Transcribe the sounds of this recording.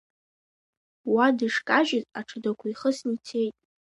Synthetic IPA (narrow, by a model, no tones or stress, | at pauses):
wadɨʂkʼaʒɪzʼaʈ͡ʂʰɨdakʷʰaiχəsnitʰe̞jtʼ